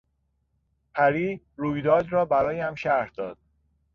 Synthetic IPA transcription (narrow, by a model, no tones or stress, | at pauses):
pʰæɾiː | ɾuːjd̪ɒːd̪ɾɒːbæɾɒːjæmʃæɾhd̪ɒːd̪̥̚